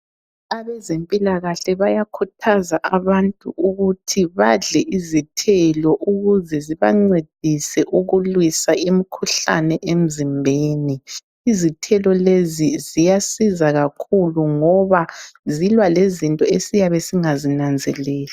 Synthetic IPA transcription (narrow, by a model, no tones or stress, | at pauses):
aβɛzempʼilaɣaɬɛβajakʰutʰazaʔaβantʼuʔuɣutʰiβaɮɛʔizitʰɛlɔʔuɣuzɛziβa̰ŋ͡ǀed̥ʱisɛʔuɣulwisaem̩kʰuɬa̰nɛʔem̩zimbʱeːni | izitʰɛlɔlezizijasizaɣakʰuluŋɔβazilwalezintʼɔesijaβɛsiŋazinand͡zʱɛlɛːla